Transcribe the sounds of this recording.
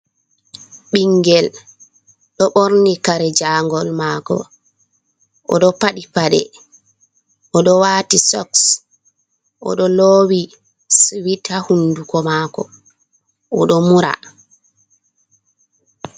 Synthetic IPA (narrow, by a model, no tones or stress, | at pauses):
ɓiŋɡɛl | ɗɔɓoɾnikaɾɛd͡ʒaŋɡɔlmaːkɔ̰ | ʔɔ̰ɗɔpaɗipaɗɛ̰ | ʔɔɗɔwaːtisɔks | ʔɔ̰ɗɔlowi | switʰahundukɔmaːkɔ̰ | ʔɔɗɔmuɾa̰